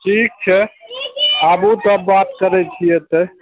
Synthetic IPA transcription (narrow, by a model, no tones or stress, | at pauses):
ʈʰik̚t͡ʃʰɛ | abut̪əbːat̪kəɾɛt͡ʃʰijet̪e